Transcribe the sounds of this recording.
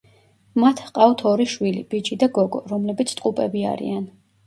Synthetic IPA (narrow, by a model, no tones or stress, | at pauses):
mat̪ʰqʼawt̪ʰɔɾiʃwilib̥id͡ʒid̪aɡɔɡɔɾɔmlɛbit̪sʰt̪ʼqʼupʼɛbia̰ɾḭan